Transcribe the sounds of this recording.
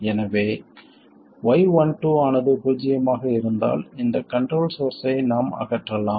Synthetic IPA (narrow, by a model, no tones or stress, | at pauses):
ɛnɐʋeː | ʋɐɪʋɐɳʈːuːaːnɐðɯpuːd͡ʒɪjɐmaːɣɐɪɾɯnd̪a̰ːlɪnd̪ɐkɐɳʈɾoːlsoːɾsɐɪnaːmɐ̰ɣɐʈːrɐlaːm